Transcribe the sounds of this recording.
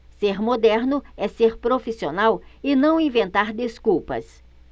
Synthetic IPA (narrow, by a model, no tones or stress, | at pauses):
seɾmod̪ɛɾnʊɛseɾpɾofisionawɪnɐ̃w̃ĩvẽnt̪aɾd̪eskuwpɐ̰s